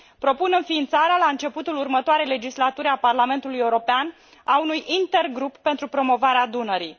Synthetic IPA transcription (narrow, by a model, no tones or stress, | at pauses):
pɾo̞punɨnfiːnt̪saɾealaɨnt͡ʃe̞put̪ulurmət̪oaɾe̞jle̞d͡ʒislat̪uɾʲaparlame̞nt̪ulujeuɾo̞pean | aunujint̪e̞rɡɾupːe̞nt̪ɾupɾo̞mo̞vaɾead̪unəɾi